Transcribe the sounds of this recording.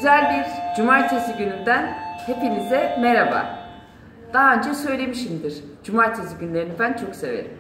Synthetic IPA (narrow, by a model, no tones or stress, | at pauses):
yzælʲbiɾd͡ʒumaɾt͡ʃʰesiɟynynd̪ænhepinizɛmeɾaba̰ | d̪̥aːaønd͡ʒɛsø̞jlʲe̞miʃimd̪iɾ̥d͡ʒumaɾt͡ʃ̪ʰesiɟynlʲe̞ɾinibænt͡ʃʰo̞kse̞ve̞̰ɾim